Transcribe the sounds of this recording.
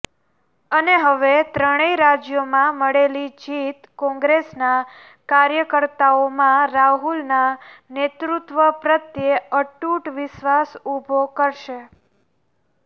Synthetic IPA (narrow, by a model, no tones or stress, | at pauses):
əneɦəʋet̪ɾəɽ̃əiɾad͡ʒjomãməɽelid͡ʒit̪kɔ̃ŋɡɾesna | kaɾjəkəɾt̪aomãɾaɦulnanet̪ɾut̪ʋəpɾət̪jeəʈuʈʋɪʃʋasubʱokəɾʃe